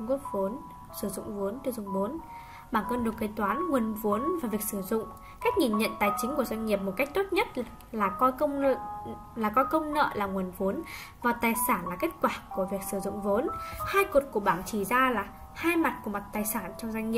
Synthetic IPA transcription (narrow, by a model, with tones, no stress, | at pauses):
ŋ͡mku˦˥ək̚vo˨˦ən | sɨ˧˩zʊ̰˧˨ŋ͡mvu˨˦ənt̪zʊ̰˧˨ŋ͡mɓo˨˦n | ɓaː˧˩nkəː˧nɗo˨˩kkə˧˩jt̪waː˨˦nŋwə˨˩ənvu˨˦ənvaː˨˩vi˨˩ək̚sɨ˧˩zʊ̰˧˨ŋ͡m | kaː˦˥jk̚ŋi˨˩nɲə̰˧˨nt̪aː˨˩jt͡ɕï˨˦ŋ̟ku˧˩əzwa˧ŋ̟ŋi˨˩əp̚mo˨˩t̚ka˦˥k̚t̪o˦˥t̚ɲə˦˥t̚ | laː˨˩kɔ˧kə˧wŋ͡mə̰˧˨ | laː˨˩kɔ˧jkə˧wŋ͡mnə̰ː˧˨laː˨˩ŋwu˨˩ənvu˨˦ən | vaː˨˩t̪aː˨˩jsaː˧˩nlaː˨˩ke˦˥t̚kwaː˧˩ku˧˩əvi˨˩ək̚sɨ˧˩zʊ̰˧˨ŋ͡mvo˨˦nhaː˧jku˨˩t̚ku˧˩əɓaː˧˩nt͡ɕi˧˩zaː˧laː˨˩ | haː˧jma˨˩t̚ku˧˩əma˨˩t̚t̪aː˨˩jsaː˧˩nt͡ɕɔ˧wŋ͡mza˧ŋ̟ɲi˨˩ə